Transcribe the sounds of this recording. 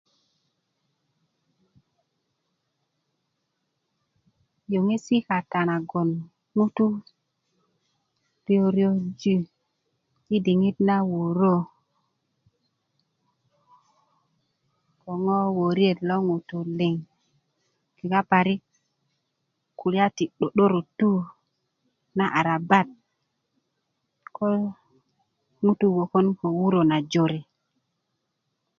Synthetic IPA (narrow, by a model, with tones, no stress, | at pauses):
jo˨ŋe˦si˦ka˨ta˨na˨ɡo˨n | nu˦tu˦ | b̥i˦o˦ɾjo˦d͡ʒi˦ | ki˦di˨ŋi˦tna˦wo˨ɾo˦˨ | ko˨ŋo˦wo˨ɾi˦e˨tlo˦ŋu˨tu˨le˨ŋ | ki˨ka˦pa˨ɾi˦ | ku˨la˦ti˨ɗo˨ɗo˦ɾo˨tu˦ | na˦ʔa˨ɾa˨ba˦˨t̚ | ko˦l | ŋu˦tu˦ɡo˨ko˦nko˨wu˦ɾo˨na˨d͡ʒo˨ɾe˨